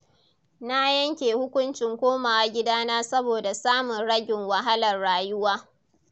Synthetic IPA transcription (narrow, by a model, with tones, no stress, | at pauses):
na˦jɐ˦ŋkʲeː˨hʊ˦kʷʊ˦nt͡ʃɪ˨ŋkʷoː˦maː˨wa˨ɡʲɪ˦daː˦naː˦sɐ˦boː˨da˨saː˦mʊ˨nɽɐ˦ɡʲɪ˨ŋwɐ˨ɦa˦lɐ˨rɽaː˨jʊ˦waː˦